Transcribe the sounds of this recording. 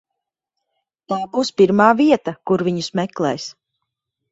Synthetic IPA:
p̪aːbuːspiɾmaːviɛt̪akuɾviɲusmɛklˠɛ̰ːjs

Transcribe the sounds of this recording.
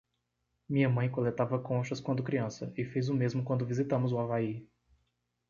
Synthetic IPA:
mĩɲɐmɐ̃j̃kolet̪avɐkõʃɐskwɐ̃nd̪ʊkɾiɐ̃sɐ̰ɪfejzʊmezmʊkwɐ̃nd̪ʊvizit̪ɐ̃mʊzʊavai

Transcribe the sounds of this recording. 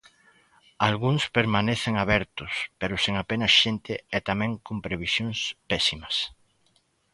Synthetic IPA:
alɣuŋspeɾmanɛθeŋaβɛɾt̪ʊspeɾʊseŋapenɐsʃent̪ɪɛt̪amɛ̃ŋkompɾeβisjoŋspɛsimɐs

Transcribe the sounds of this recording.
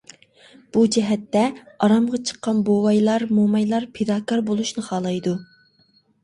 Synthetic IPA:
b̥ud͡ʒɛɦɛt̪ːɛ | ɑɾɑmʁɑt͡ʃʰə̥qːɑnbowɑjlˠɑɾmomɑjlˠɑɾpʰed̪ɑːkɑɾbolˠuʃnɨχɑːlˠɑjd̪u

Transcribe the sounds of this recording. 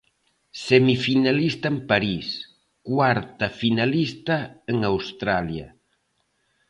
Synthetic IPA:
sɛmifinalist̪aempaɾis | kwaɾt̪afinalist̪aeŋawst̪ɾalja̰

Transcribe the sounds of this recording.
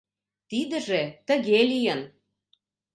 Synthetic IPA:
t̪id̪ə̆ʒet̪ə̆ɣelijən

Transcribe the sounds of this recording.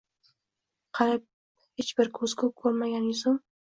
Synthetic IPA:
qʰɑɾɪp̚ | het͡ʃbɪɾkʰɵz̥kʰʊkʰɵɾmaɡʲanjʊzʊm

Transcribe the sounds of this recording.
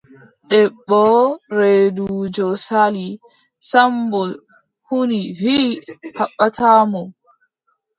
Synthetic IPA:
ɗɛɓːɔɾeduuːd͡ʒɔsali | sambɔ | huniviːhaɓːatʰaːmɔ

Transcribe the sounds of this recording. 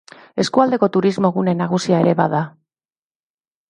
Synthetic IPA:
e̞skuald̪e̞ko̞t̪uɾizmo̞ɣune̞naɣ̞usiae̞ɾe̞βa̰ða

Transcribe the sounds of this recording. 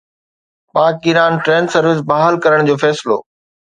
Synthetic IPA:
paːkiɾaːnʈɾẽːnsɐɾʋɪs̬baːɦəlkɐɾəɽ̃d͡ʑoːfɛːsɪlo̰ː

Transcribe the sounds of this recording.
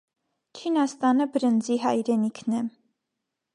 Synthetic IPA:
t͡ʃʰinɑst̪ɑnəbəɾənd͡ziɦɑjɾɛnikʰnɛ

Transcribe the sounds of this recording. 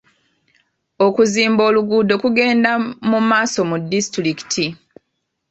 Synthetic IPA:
okuziːmbo̞ːluɡuːdo̞kuɡe̞ːndamumaːso̞mudːistɾiki̥tʰi

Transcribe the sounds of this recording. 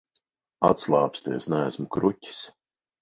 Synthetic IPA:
a̰t̪slˠaːpst̪eːsnæːsmukɾutʲi̥s

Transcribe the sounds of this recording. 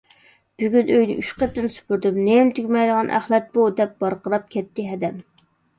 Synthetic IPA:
b̥yɡʲynøjdnɪ̰ʔyʃqɛt̪ːɪnsy̥pyɾd̪ɨmnemt̪ʰykʲmɛjd̪əʁɑnʔæ̰χlˠɛt̪̚b̥ud̪ɛp̚b̥ɑɾqəɾɑp̚kʲʰɛt̪ʰːɪɦɛd̪ɛm

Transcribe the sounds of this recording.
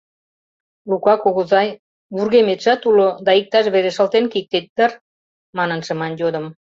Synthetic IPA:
lukɑkoɣəzɑj | βurɣemet̪ʒɑt̪ulod̪ɑik̚t̪ɑʃβeɾeʃəlt̪enkik̚t̪et̪̚d̪ər | mɑnənʃə̆mɑnjod̪ə̆m

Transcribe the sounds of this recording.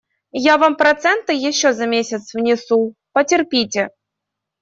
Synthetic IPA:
javampɾɐt̪sɛnt̪ɨjɪɕːozamʲesʲɪt̪svnʲɪsupətʲɪrpʲitʲe

